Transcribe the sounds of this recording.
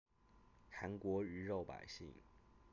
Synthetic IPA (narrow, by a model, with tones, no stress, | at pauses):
ʈ͡ʂʰa˧˥nkwɔ˧˥y˧˥ɻo˥˩ʊpa̰˨˩ɪɕḭ˥˨˩ŋ